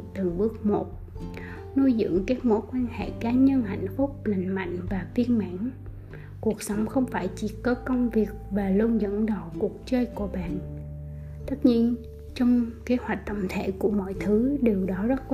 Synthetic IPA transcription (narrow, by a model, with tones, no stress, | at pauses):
t̪ɨ˨˩ŋɓɨ˦˥ək̚mo˨˩t̚ | nu˧jzɨ̰˧˥əŋkaː˦˥k̚mo̰˧˥˦jkwaː˧nhḛ˧˨kaː˨˦ɲə˧nha̰˧˨jŋ̟fʊ˦˥p̚lï˨˩ŋ̟ma̰˧˨jŋ̟vaː˨˩vi˧ənma̰ː˧˨n | ku˨˩ək̚sə˨˦wŋ͡mxə˧wŋ͡mfaː˧˩jt͡ɕi˧˩kɔ˨˦kə˧wŋ͡mvi˨˩ək̚vaː˨˩lu˧nzə̰˧˥nɗə˨˩˨wku˨˩ək̚t͡ɕəː˧jku˧˩əɓa̰ː˧˨n | t̪ə˦˥t̚ɲi˧ən | t͡ɕɔ˧wŋ͡mke˨˦hwa˨˩jk̟̚t̪ə̰˧˨wŋ͡mt̪ʰḛ˧˩˨ku˧˩əmɔ̰˧˨jt̪ʰɨ˨˦ɗe˨˩wɗɔ˨˦zə˦˥t̚